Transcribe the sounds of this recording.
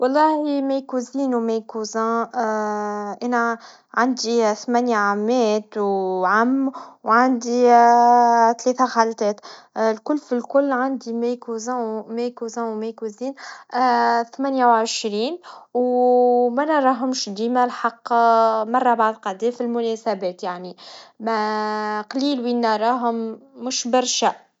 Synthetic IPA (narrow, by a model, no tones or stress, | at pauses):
wɑlˤːɑːhimæjkuziːnwmæjkuzæ̃ | ʔænæ | ʕand̪iθmænjaʕamːɛːt̪wʕamːwʕand̪i | t̪lɛːθæxalt̪ɛːt̪lkʊlːfilkʊlːʕand̪imæjkuzãwmæjkuzãwmækuziːn | θmænjawʕəʃɾiːnwmænɑɾˤɑɦʊmʃd̪iːmælħɑqːmɑrˤːɑbaʕd̪qɑd̪ɛːfilmʊnɛsæbɛːt̪jaʕnimæqɑliːlwinːɑɾˤɑːɦʊmːʊʃbɑɾˤʃæ